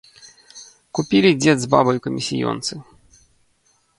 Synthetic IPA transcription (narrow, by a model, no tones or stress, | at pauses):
kupʲilʲid͡zʲɛd̪zbabɐjukɐmʲisʲḭjɔ̰nt̪sɨ